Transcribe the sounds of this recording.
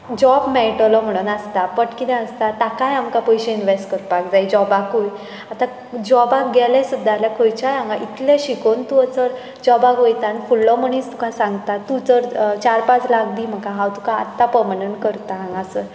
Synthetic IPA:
d͡ʑɔbmɛʈlɔm̤əɽ̃unast̪apəʈkit̪ɛ̃əst̪at̪akajamkapɔjɕẽinʋesʈkəɾpakd͡zajd͡ʑɔbakuj | at̪a | d͡ʑɔbak̚ɡʱɛlɛ̃sud̪ʱːalakʰojt͡ɕajãŋɡaʔit̪lẽɕikont̪uət͡səɾ | d͡ʑɔbakojt̪ãnfulːɔməɳ̃iːt͡st̪u̥kãsãŋɡt̪at̪ːut͡səɾt͡ɕaɾpat͡slakd̪iːm̤akaɦawt̪uka̰ːt̪ːapəɾmənəɳʈkəɾt̪aɦãŋɡasə

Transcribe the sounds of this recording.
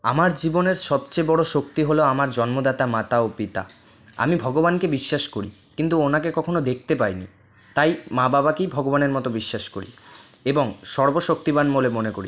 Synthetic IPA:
a̰maɾd͡ʑiboneɾʃɔbt͡ɕebɔɽoʃok̚t̪iɦoloamaɾd͡ʑɔnmod̪at̪amat̪aopit̪a̰ | a̰mibʱɔɡobankebiʃːaʃkoɾḭ | kint̪uonakekɔkʰonod̪ek̚ʰt̪epajnḭ | t̪ajmababakejbʱɔɡobaneɾmɔt̪obiʃːaʃkoɾḭeboŋʃɔɾboʃok̚t̪ibanmolemonekoɾi

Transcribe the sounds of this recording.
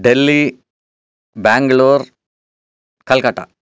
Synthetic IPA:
ɖelːi | baːŋɡɭuːɾ | kɐlkɐʈːa̰

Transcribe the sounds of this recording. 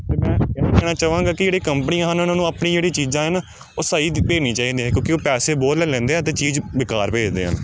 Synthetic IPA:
t̪eːmɛ̃ːkɛːnãːkɛːɽaːt͡ʃaːʋãːŋɡaːkɪd͡ʒeːɽeːkəmpəniːãːɦənʊnaːnũːaːpnĩːd͡ʒeːɽiːt͡ʃiːzãːɦən | oːsaːiːpeːniːt͡ʃaːiːd̪eːɛ̃ːkjõːkioːpɛːseːboːɾlɛːlɛ̃ːnd̪eːɦɛ̃ːt̪̬eːt͡ʃiːzʋɪkaːɾpeːd͡ʒd̪ḛːɦə̰n

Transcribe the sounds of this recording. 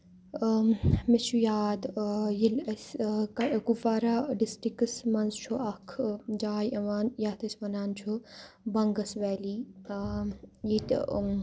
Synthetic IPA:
met͡ʃʰujaːd̪jilɐskɐkufaːɾaːɖisʈɾikɨsmɐnzt͡ʃʰoɐkʰd͡ʒaːjɐʋaːnjaːt̪ɐsʋɐnaːnt͡ʃʰo | bɐŋɡɐsʋɛːliː | jit̪

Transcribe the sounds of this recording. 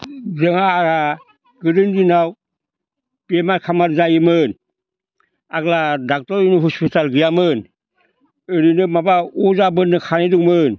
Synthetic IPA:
zɯŋaːɾa | ɡɯɾɯndinaw | piemaɾkʰamaɾzajɯmɯn | aɡladak̚tɔɾinuɦɔspitalɡɯjamɯn | ɯɾinɯmabauzabɯnːɯkʰaniduŋmɯn

